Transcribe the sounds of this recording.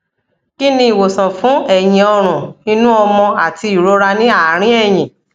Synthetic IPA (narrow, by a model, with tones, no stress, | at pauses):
ki˦nĩ˧˦i˨wo˨sã˨fũ˨˦ɛ˦˨jĩ˨ɔ˧ɾ̃ũ˨nĩ˧nũ˦ɔ˧mɔ̃˧a˨ti˧i˨ɾo˨˦ɾa˧nĩ˦a˦˨˦ɾ̃ĩ˦ɛ˦˨j̃ĩ˨